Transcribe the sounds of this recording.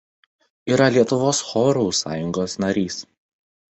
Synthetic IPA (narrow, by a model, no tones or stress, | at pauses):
iːɾɐlʲiɛt̪ʊʋoːsxɔːɾuːsɑːjʊŋɡoːsnɐɾʲiːs